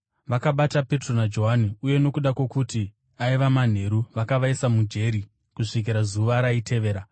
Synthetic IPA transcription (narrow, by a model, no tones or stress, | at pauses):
ʋakaɓatape̞tro̞nad͡ʒo̞ɦaniuje̞no̞kuɗakwo̞kuti | aiʋaman̤e̞ɾuʋakaʋaisamud͡ʒe̞ɾi | kuʂik̬iɾazuʋaɾaitʰe̞ʋe̞ːɾa